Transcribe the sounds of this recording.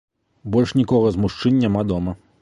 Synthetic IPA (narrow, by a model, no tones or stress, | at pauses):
bɔlʲʂnʲikɔɣɐzmuʂt͡ʂɨnʲːamad̪ɔmɐ